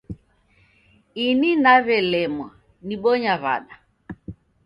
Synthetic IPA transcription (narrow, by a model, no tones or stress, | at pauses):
ininaβɛlɛmwa | niɓɔɲaβa̰ɗa